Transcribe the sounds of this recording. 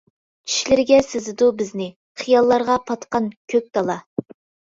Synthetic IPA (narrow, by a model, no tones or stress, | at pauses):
t͡ʃʰi̥ʃlɪɾɪɡʲɛsɪzɪd̪ubɪznɪ | χijɑlˠːɑɾʁɑpʰɑt̪qɑnkʲʰøk̚ʲt̪ɑlˠɑ